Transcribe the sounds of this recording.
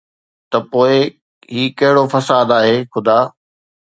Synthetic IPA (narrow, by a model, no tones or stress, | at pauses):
t̪ɐpoːɪ | ɦiːkɐɦɪɽofɐsaːd̪aːɦeːxʊd̪aː